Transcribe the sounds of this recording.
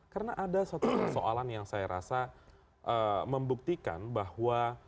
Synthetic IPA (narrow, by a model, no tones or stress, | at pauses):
kaɾənaʔadasat̪usoʔalanjaŋsajaɾa̰sa | ʔəməmbuk̚t̪ika̰nbahwa